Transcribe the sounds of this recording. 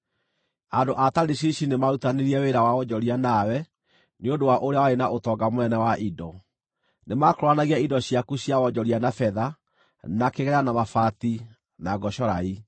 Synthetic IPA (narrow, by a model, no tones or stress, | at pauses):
andoʔataɾiɕ̬iɕinemaɾutaneɾiɛweɾawaɔd͡ʒɔɾianawɛ | neondowaʔoɾeawaenaʔotɔɡamonɛnɛwaʔidɔ | nemakɾwanaɣiaidɔɕiakuɕjawɔd͡ʒɔɾianafɛða | nakeɣɛɾanamafati | naɡɔɕɔɾai